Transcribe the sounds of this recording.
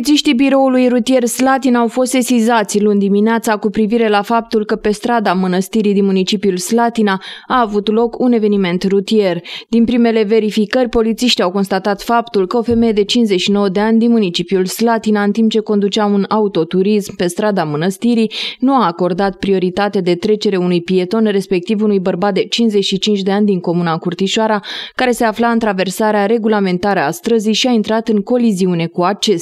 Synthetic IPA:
it̪siʃt̪ibiɾo̞ulujrut̪ije̞rslat̪inawfo̞st̪esizat̪sʲlund̪imineat̪sakupɾiviɾe̞lafap̚t̪ulkəpe̞st̪ɾad̪amənəst̪iɾid̪inmunit͡ʃipiulslat̪inaaːvut̪lo̞kune̞ve̞nime̞nt̪rut̪ie̞rd̪inpɾime̞le̞ve̞ɾifikərʲpo̞lit̪siʃt̪iawko̞nst̪at̪at̪fapt̪ulkəo̞fe̞me̞je̞d̪e̞t͡ʃinszeʃino̞wəd̪eanʲd̪inmunit͡ʃipijulslat̪inaɨnt̪imp̚t͡ʃe̞ko̞nd̪ut͡ʃɪaunaut̪o̞t̪uɾismpe̞st̪ɾad̪amənəst̪iɾijnuaːko̞rd̪at̪pɾio̞ɾit̪at̪ad̪e̞t̪ɾe̞t͡ʃe̞ɾeunujpie̞t̪o̞nre̞spe̞k̚t̪ivunujbərbat̪̚d̪e̞t͡ʃinzet͡ʃʃit͡ʃint͡ʃʲd̪e̞anʲd̪iŋko̞munakurt̪iʃoaɾakaɾe̞se̞aflaɨnt̪ɾave̞rsaɾeaɾe̞ɡulame̞nt̪aɾəast̪ɾəzijʃiaint̪ɾat̪ɨŋko̞liziune̞kuat͡ʃe̞st̪

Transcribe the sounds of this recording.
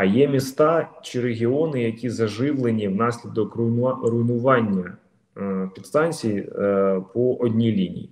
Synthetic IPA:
ɐjɛmʲist̪ɑt͡ʃɪɾeɦʲiɔnɪjɐkʲizɐʒɪʋlˠenʲiwnɑsʲlʲid̪ɔkʊrʊjnʊʋɑnʲːɐ | pʲid̪st̪ɑnʲt͡sʲijipʰɔʔɔdʲnʲilʲinʲḭjḭ

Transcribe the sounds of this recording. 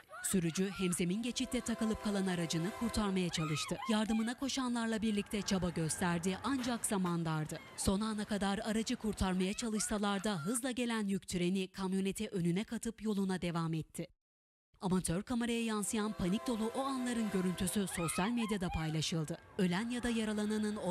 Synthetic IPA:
syɾyd͡ʒyhɛmze̞minɟe̞t͡ʃʰit̪ʰːɛt̪ʰakɯlˠɯp̚kʰalˠanaɾad͡ʒɯnɯkʰuɾt̪ʰaɾmajat͡ʃʰalˠɯʃt̪ʰɯjaɾd̪ɯmɯnakʰo̞ʃanlˠaɾlˠabiɾlʲic̚t̪ʰɛt͡ʃʰabaɟø̞st̪ʰæɾd̪iʔand͡ʒakzamand̪ˠaɾd̪ɯ | so̞naːnakad̪aɾaɾad͡ʒɯkʰuɾt̪ʰaɾmajat͡ʃʰalˠɯʃsalˠaɾd̪aɦɯzlˠaɟe̞lʲænjyct̪ʰyɾe̞nikʰamjunet̪ʰɛʔø̞nynɛkʰat̪ʰɯpjo̞lˠunad̪e̞vamɛt̪ʰːɪ | amat̪ʰø̞ɾkʰameɾajajansɯjanpʰanic̚d̪o̞lˠuʔo̞anlˠaɾɯnɟø̞ɾynt̪ʰysyso̞sjalʲmed̪jad̪apʰajlˠaʃɯlˠd̪ɯø̞lʲænjad̪ajaɾalˠananɯno

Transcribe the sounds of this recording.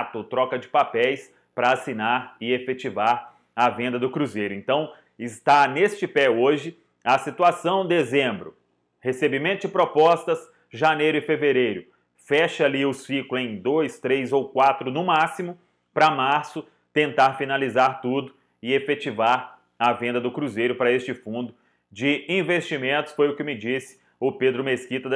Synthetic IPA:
t̪ʊt̪ɾɔkɐd͡ʒɪpapɛjs | pɾɐasinaɾɪefet͡ʃivaɾ | ɐvẽnd̪ɐd̪ʊkɾuzejɾʊẽnt̪ɐ̃w̃ | ɪst̪anest͡ʃɪpɛoʒɪ | ɐsit̪uasɐ̃w̃d̪ezẽbɾʊ | hesebimẽt̪ʊd͡ʒɪpɾopɔst̪ɐs | ʒanejɾʊɪfeveɾejɾʊ | fɛʃɐaliʊsiklʊẽj̃d̪ojst̪ɾejzowkwat̪ɾʊnʊmasimʊ | pɾɐmaɾsʊ | t̪ẽnt̪aɾfinalizaɾt̪ud̪ʊ | ɪefet͡ʃivaɾ | ɐvẽnd̪ɐd̪ʊkɾuzejɾʊpɾɐest͡ʃɪfũnd̪ʊ | d͡ʒɪĩvest͡ʃimẽnt̪ʊsfojʊkɪmɪd͡ʒisɪ̥ | ʊped̪ɾʊmeskit̪ɐ

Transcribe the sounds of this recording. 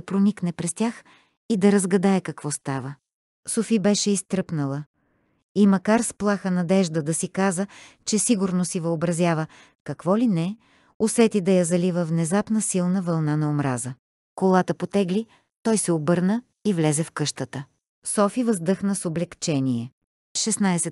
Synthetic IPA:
ɐpɾoniknɛpɾɛst̪ʲax | id̪ɐɾɐzɡɐd̪aɛkɐkvɔst̪avə | sofibɛʃɛist̪ɾɤpnəlˠə | imɐkaɾsplˠaxənɐd̪ɛʒd̪əd̪ɐsikazət͡ʃɛsiɡʊɾnosivəobɾɐzʲjavə | kɐkvɔlinɛ | osɛt̪id̪ɐjɐzɐlivəvnɛzapnəsilˠnəvɐlˠnanɐomɾazə | kolˠat̪əpot̪ɛɡli | t̪ɔjsɛobɤɾnə | ivlɛzɛfkɤʃt̪ət̪ə | sɔfivəzd̪ɤxnəsoblɛkt͡ʃɛniɛ | ʃɛsnajsɛ

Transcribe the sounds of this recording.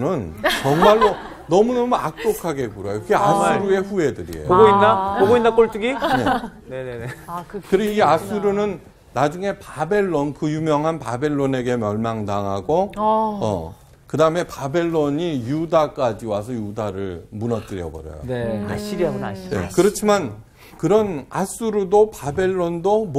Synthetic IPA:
nɯnt͡ɕʌŋmaɭːo | nʌmunʌmuak̚t͈okʰaɡe̞kuɾʌjokɡeasɯɾue̞ɸue̞dɯɾḭḛjooɡoinːapoɡoinːak͈oɭt͈uɡineneneekɯɾieasuɾunɯnː | ad͡ʑuŋe̞pabe̞ɭːonkɯjumjʌŋɦanpabe̞ɭːone̞ɡe̞mjʌɭmaŋdaŋɦaɡoʌ̰ | kɯdaɯme̞pabe̞ɭːoɲijudak͈ad͡ʑiwasʰʌjudaɾɯɭmunʌt͈ɯɾijʌbʌ̰ɾjʌ̰jo̰eɕiɾanḛkɯɾʌt͡ɕʰiman | kɯɾʌnas͈uɾudopabe̞ɭːondom

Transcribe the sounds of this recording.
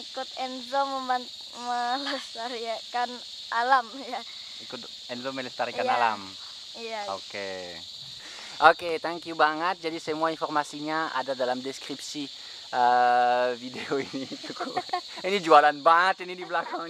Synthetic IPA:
ikʊt̪ɛnzoməmbant̪̚ | məlɛst̪aɾiakan | ʔalamja | ikʊt̪ | ɛnzoməlɛst̪aɾikaala̰m | ijao̰ke | ʔoket̪ɛŋkjubaŋət̪̚d͡ʒadisəmuainfɔrmasiɲaa̰dadalamdɛskripsi | ʔə | videoinit̪ukuinid͡ʒualanbaŋət̪inidibəlakaŋ

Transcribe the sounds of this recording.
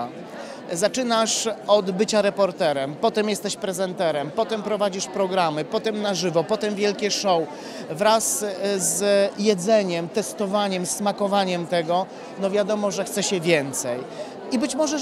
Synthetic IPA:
zat͡ʂɘnaʂɔd̪bɘt͡ɕaɾɛpɔɾt̪ɛɾɛmpɔt̪ɛmjɛst̪ɛɕpɾɛzɛnt̪ɛɾɛmpɔt̪ɛmpɾɔvad͡ʑiʂpɾɔɡɾamɘpɔt̪ɛmnaʐɘvɔpɔt̪ɛmvʲjɛlkʲɛʂɔw | vɾaszjɛd̪zɛɲɛmt̪ɛst̪ɔvaɲɛmsːmakɔvaɲɛmt̪ɛɡɔ | nɔvʲjad̪ɔmɔʐɛxt̪sɛɕɛvʲjɛnt̪sɛj | ibɘt͡ɕmɔʐɛ

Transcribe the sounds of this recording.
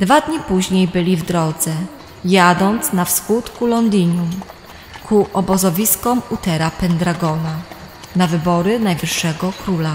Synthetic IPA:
d̪vad̪ɲipuʑɲejbɘlʲivd̪ɾɔd̪zɛ | jad̪ɔnt̪snafskut̪kulɔnd̪ʲiɲum | kʰuʔɔbɔzɔvʲiskɔmut̪ɛɾapɛnd̪ɾaɡɔna | navɘbɔɾɘnajvɘʂːɛɡɔkɾula

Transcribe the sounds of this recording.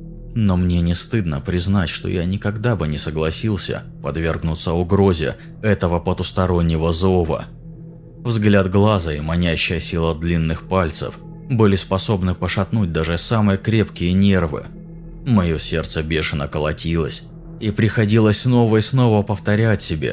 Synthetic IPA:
no̞mnʲe̞nʲɪst̪ɨd̪nəpɾʲɪznatʲʂt̪o̞̰janʲɪkɐɡd̪abɨnʲɪsəɡlˠɐsʲilˠsʲə̰ | pɐd̪vʲe̞rɡnʊt̪səʊɡɾozʲɪə̰ | ɛt̪əvəpət̪ʊst̪ɐɾo̞nʲːɪvəzo̞və̰ | vzɡlʲad̪ɡlˠazəimɐnʲæɕːɪjəsʲilˠəd̪lʲinːɨxpalʲt̪sə̰f | bɨlʲɪspɐso̞bnɨpəʂɐt̪nut̚ʲd̪aʐɨsamɨjəkɾʲe̞pkʲɪjənʲe̞rvɨ̰ | mɐjo̞sʲe̞rt̪səbʲe̞ʂɨnəkəlˠɐtʲilˠəsʲ | ipɾʲɪxɐdʲilˠəsʲsno̞vəisno̞vəpəft̪ɐɾʲætʲsʲɪbʲḛ

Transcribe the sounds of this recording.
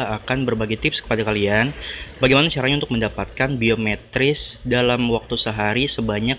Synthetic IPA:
akanbərbaɡejt̪ɪpskə̥padakalianbaɡejmanat͡ʃaɾahɲaunt̪ʊk̚məndapat̪̚kanbiomɛt̪ɾɪsdalamwak̚t̪usəɦaɾisəbaɲak

